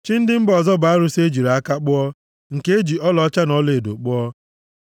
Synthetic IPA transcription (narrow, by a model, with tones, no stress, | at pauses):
t͡ʃi˦n̩˦dɪ˦m̩˦bɔ˨zɔ˦ba˨a˦ɾʊ˦se˦d͡ʒi˨ɾa˨a˦ka˦k͡pʊ˦ɔ˦ | ŋ̩˨ke˦e˦d͡ʒi˨ɔ˦lɔ˨˦t͡ʃa˦nɔ˦le˨e˨do̰˨k͡pʊ˦ɔ˦